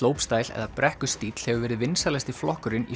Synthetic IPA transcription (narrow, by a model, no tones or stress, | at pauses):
oːwpst̪aːjlɛ̰ðapɾʔɛhkʏ̥st̪iːt̪l̥hɛvʏvɛːɾɪðvɪnsalɛst̪ɪflɔhkʏɾɪnḭ